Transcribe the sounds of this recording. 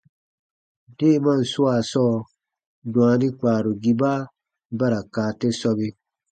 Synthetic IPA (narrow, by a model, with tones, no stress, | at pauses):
d̥eː˦˨˦mã˦˨su˦a˨sɔː˦˨ | dũ˨ã˧di˦k͡paː˨ɾu˨ɡi˧baː˦ | ba˦ɾa˨kaː˨tɛ˦sɔ˧be˧